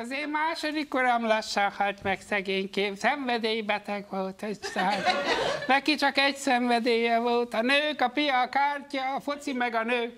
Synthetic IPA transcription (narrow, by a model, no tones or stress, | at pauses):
ɒzeːmaːʃod̪ikːoɾɒmlɒʃːahɒlt̪mɛksɛɡeːɲkeːpsɛɱvɛd̪øːjibɛt̪ɛɡʋolt̪ɛɟsaːlt̪nɛkit͡ʃɒkɛɟsɛɱvɛd̪øːjɛvolt̪ɒnøːkɒpiɒkaːrcɒːfot̪simɛɡɒnøːk